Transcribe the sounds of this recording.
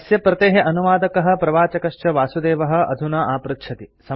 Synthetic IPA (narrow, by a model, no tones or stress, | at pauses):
sjɐpɾɐt̪eːɦeʔɐnuʋaːd̪ɐkɐɦɐ̆pɾɐʋaːt͡ʃɐkɐʃt͡ʃɐʋaːsud̪eːʋɐɦɐ̆ɐ̰d̪ʱunaːʔaːpɾut̪ʃʰɐt̪isɐ